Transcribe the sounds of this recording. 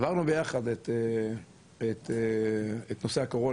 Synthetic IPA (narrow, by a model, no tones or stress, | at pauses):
vaʁnubejaχad̪et̪ | et̪ | et̪nosehakoʁo